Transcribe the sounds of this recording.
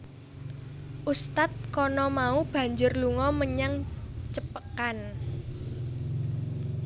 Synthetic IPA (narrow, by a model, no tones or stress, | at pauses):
ʔust̪at̪̚kɔnɔmaub̥a̤ɲd͡ʒʊrluŋɔməɲaŋt͡ʃəpəkan